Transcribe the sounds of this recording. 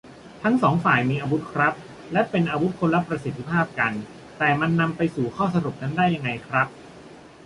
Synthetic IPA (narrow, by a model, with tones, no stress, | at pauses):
t̪ʰa˦˥ŋsɔː˩˦ŋfaː˨˩jmiː˧ʔaː˧wu˦˥t̪̚kʰɾa˦˥p̚ | lɛ˦˥pe˧nʔaː˧wu˦˥t̪̚kʰo˧nla˦˥pɾa˧si˨˩t̪ʰːi˧pʰaː˥˩p̚ka˧n | t̪ɛː˨˩ma˧nːa˧mpa˧jsuː˨˩kʰɔː˥˩sa˧ɾu˨˩p̚na˦˥ndaː˥˩jːa˧ŋːa˧jkʰɾa˦˥p̚